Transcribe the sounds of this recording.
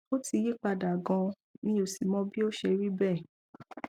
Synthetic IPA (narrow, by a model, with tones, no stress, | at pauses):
o˦ti˧ji˦k͡pa˧da˨ɡɔ̃˧ | nĩ˦o˦˨si˨mɔ̃˨˦bi˦o˦ʃe˧ɾi˦bɛ˦˨